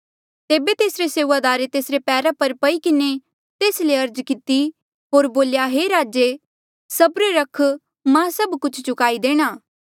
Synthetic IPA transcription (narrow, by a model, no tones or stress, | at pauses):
t̪eːbet̪eːsɾeseːʋaːd̪aːɾet̪eːsɾepɛːɾapɐɾpɐikɪne | t̪eːsleɐɾd͡ʒkɪt̪i | ɦoːɾboːljaɦeːɾaːd͡ʒe | sɐbɾeɾɐkʰ | mãːsɐbkʊt͡ʃʰt͡ʃʊkaːid̪eːɽ̃aː